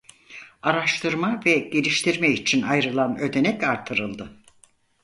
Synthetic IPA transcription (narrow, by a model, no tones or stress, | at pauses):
aɾaʃt̪ʰɯɾmavɛɟe̞lʲiʃt̪ʰiɾmɛit͡ʃʰinajɾɯlˠanø̞d̪e̞nɛcaɾt̪ʰɯɾɯlˠd̪ɯ